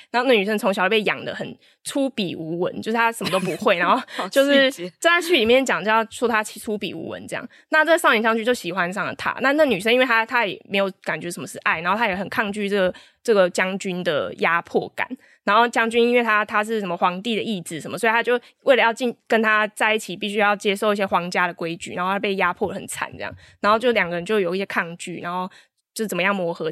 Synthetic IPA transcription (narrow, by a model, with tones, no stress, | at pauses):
na˧˥xo˥˧n˥˩ny˨˩ʂə˥nt͡sʰo˧˥ŋɕɑ˨˩li˨˥˩pe˥˩jɑ̰˨˩ŋd̪ə̰˦xə˨˩n | t͡sʰu˦˥pi˨˩u˧˥˦wə̰˧˦nt͡ɕjo˥˧ʂ̩˥˩t̪ʰa˥ʂə˨˩m˨ə˦t̪o˥ʊpu˨˧˦xwe˥˩ɪna˧˦nxo˥˧ʊ˧t͡ɕjo˥˧ʊʂɻ̩˥˧t͡sə˥a˥˧t͡ɕʰy˥˩li˨˩mjɛ˥˨˩nt͡ɕjɑ˨˩ŋo˥˧jɑ˥˧˩sɔ˥t̪ʰa˥t͡ɕʰi˧˥t͡sʰu˦pḭ˨˩ṵ˧˥wə̰˦nʈ͡ʂɤ˥˧jɑ̰˥˩ŋ | na˥˧t͡sə˥˩ə˩sni˨˩ŋt͡ɕjɑ˥ŋt͡ɕy˥˦nt͡ɕjo˥˩ʊɕi˨˩xwa˦nʂɑ˥˩ŋlə̰˩t̪ʰa̰˦˥na˥˧n˥ɡny˨˩ə˥ni˥we˧˩t̪ʰa˦˥t̪ʰa˥jɛ̰˨˩me˧˥ɪjo˧˩ʊka˨˩nt͡ɕɥɛ˧˦˥ʂə˨˩˦mə˦ʂɻ̩˥˧˩ʔa˥˩ɪna˧˦xo˥˧t̪ʰa˥jɛ˨˧˥xə˨˩nkʰɑ˥˧ŋt͡ɕy˥˧ʈ͡ʂɤ˥˩ɡə˩ | ʈ͡ʂɤ˥˩ɡə˩t͡ɕjɑ˥ŋt͡ɕy˥nd̪ə̰˨ja˦˥pʰwɔ̰˥˩ka̰˨˩˦n | na˧˥nxo˥˩ʊt͡ɕjɑ˥ŋt͡ɕy˥ni˥nwe˥˩ɪt̪ʰa˦t̪ʰa˥ʂ̬ɻ̩˥˩ʂə˨˩nmə˧˦xwɑ˧˥ŋt̪i˥˨˩d̪ə˨˩i˥˩t͡sɹ̩˨˩ʂə˧˦mə˦swɔ˧˥i˨t̪a˥t͡ɕjo˥˧ʊ | wʔe˥˩ɪə˦jɑ˥˧ʊt͡ɕi˥˩nkə˧˦nt̪ʰa˦t͡sa˥˧ɪi˥˩t͡ɕʰi˨˩pi˥˩ɕy˥jɑ˥˩ʊt͡ɕjɛ˥ʂo˥˧ʊi˥ɕjɛ˧˥xwɑ˧˥ŋt͡ɕja˥ɾə˨kwe˥ɪt͡ɕy̰˨˩a̰˨˦xo˥˧˥pe˥˩ɪja˦˥pʰwɔ˥˩lə˩xə˨˩nt͡sʰa̰˨˩˦nt͡sɤ˥˧jɑ̰˥˩ŋ | na˧˥nxo˧ʊt͡ɕjo˥˩ʊljɑ˨˩ŋɡə˧ɻə˧˦nt͡ɕjo˥˩ʊjo˨˩ʊi˥˩ɕjɛ˥kʰɑ˥˧ŋt͡ɕy̰˥˨na˧˥nxo˥˧ʊ | t͡ɕjo˥˧˥t͡sə˨˩mə˦jɑ˥˩ŋmwɔ˧˥xɤ˧˦